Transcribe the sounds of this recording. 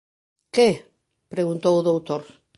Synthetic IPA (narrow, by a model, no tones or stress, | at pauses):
ke | pɾeɣunt̪owðowt̪oɾ